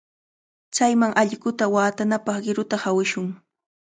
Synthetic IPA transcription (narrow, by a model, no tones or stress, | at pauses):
t͡sajmaŋʔaʎɢʊt̪awaːt̪anapɑχɢɪɾʊt̪ahawɪʃʊŋ